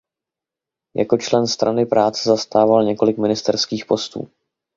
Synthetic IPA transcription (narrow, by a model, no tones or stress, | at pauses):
jʔa̰ko̞t͡ʃlɛnst̪ɾʔanɪpɾaːt͡sɛzast̪aːvalɲɛko̞lɪkmɪnɪst̪ɛɾskiːxpo̞st̪ṵː